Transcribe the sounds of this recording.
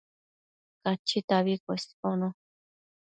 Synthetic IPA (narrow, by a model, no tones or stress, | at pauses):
kat͡ʃit̪aβikʷeskonõ